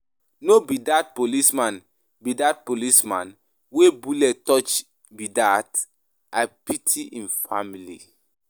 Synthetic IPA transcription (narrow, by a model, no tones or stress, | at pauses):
nobidat̚polismãn | bidat̚polismãn | webulɛttɔt͡ʃ | bidat | apitʰiʔĩnfa̰milḭ